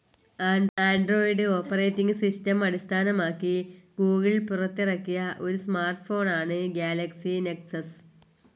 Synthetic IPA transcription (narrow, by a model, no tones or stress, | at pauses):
aːɳɖro̞ːjiɖɨo̞ːpːɐre̞ːtːiŋɡɨsistɐmɐɽist̪ʰaːnɐmaːkːiɡuːɣilpurɐt̪ːirɐkːijɐʔo̞ɾusmaːrʈfo̞ːɳaːɳɨɡjaːlɐksineksɐs